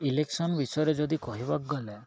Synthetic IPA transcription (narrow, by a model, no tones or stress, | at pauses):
ileksɔnbisɔjɔɾɔd͡ʒɔd̪ikɔɦibak̚ɡɔle